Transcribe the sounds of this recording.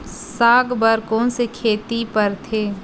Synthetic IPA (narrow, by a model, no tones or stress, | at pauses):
saːɡbəɾkɔ̃ːnsekʰeːt̪ipəɾt̪ʰeː